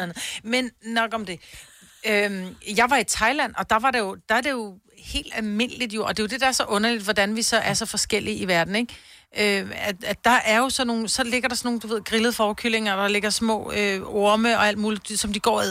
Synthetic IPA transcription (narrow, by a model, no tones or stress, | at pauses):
æn̩ˠmennɒ̽ɡ̥ɒ̽md̥e̝ | ømjɑ̈ɪʋɑ̈it͡sʰɑ̈ɪlæn̰ɒ̽d̥ɑ̈ʋɑ̈ɾe̝jo̝d̥ɑ̈æɐde̝jo̝ | he̝̰ːld̥ælme̝n̰əlid̥jo̝ʔɒ̽d̥e̝jo̝d̥e̝d̥ɑ̈æɐsɒ̽ʔɔ̽nɐlid̥ʋɒd̥ænʋisɒ̽ʔæɐsɒ̽fɒ̽sɡ̥el̰iiʋæɐd̥n̩e̝ɡ̥ | ʔøææd̥ɑ̈ʔæɐjo̝sɒ̽no̝ːn̩sɒ̽le̝ɡ̥ɐɾɑsɒno̝ːnd̥uʋe̝ð̰ˠɡ̥ʁiləð̞̩ˠfɒːkʰyle̝ŋɐd̥ɑ̈le̝ɡ̥ɐsmɔ̰̽ːøo̝ɐməɒ̽æl̰d̥muːli̥sɒ̽md̥iɡ̥ɒ̰ːi